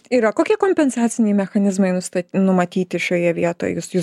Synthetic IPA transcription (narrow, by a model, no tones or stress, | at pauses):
iːɾɐkoːkʲiɛkoːmʲpʲɛnsɑːt̪sʲɪnʲɛjmʲɛxɐnʲɪzmɐɪnʊst̪ɐnʊmɐt̪ʲiːt̪ʲɪʃʲoːjɛʋʲiɛt̪o̰ːj̰jʊsju